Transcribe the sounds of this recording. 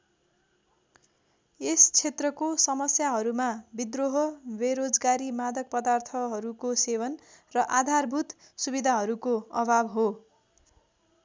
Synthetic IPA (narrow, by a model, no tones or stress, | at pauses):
est͡sʰet̪rʌkosʌmʌsjaɦʌɾumabid̪roɦʌbeɾod͡zɡaɾimad̪ʱʌk̚pʌd̪art̪ʰʌɦʌɾukosewʌnrʌʔad̪ʱarbʱut̪ | subid̪ʱaɦʌɾukoʌbʱabɦo